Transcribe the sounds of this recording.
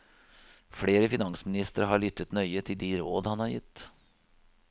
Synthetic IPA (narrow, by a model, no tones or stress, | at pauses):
fɽeːɾəfɪnɑŋsmɪnɪst̪əɾɦɑɭʏt̪ːət̪nœʏət̪ʰɪld̪iɾoːd̪hɑnhɑɾjɪt̪ː